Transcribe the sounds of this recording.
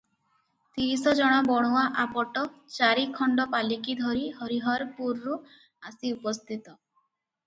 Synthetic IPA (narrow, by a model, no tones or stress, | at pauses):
t̪iɾisɔd͡ʒɔɽ̃ɔbɔɽ̃uwaʔapɔʈɔt͡ʃaɾikʰɔɳɖɔpalikid̪ʱɔɾiɦɔɾiɦɔɾpuɾːu | asiupɔst̪ʰit̪ɔ